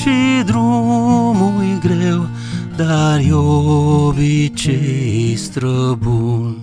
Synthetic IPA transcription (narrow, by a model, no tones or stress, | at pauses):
t͡ʃid̪ɾumujɡɾew | d̪aɾjo | bit͡ʃeɦist̪ɾəbuːn